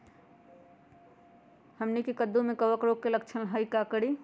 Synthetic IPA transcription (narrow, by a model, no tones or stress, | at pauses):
həmnikekəd̪ːumekəʋəkɾoɡ̚kelək̚t͡ʃʰəlɦəjkakəɽi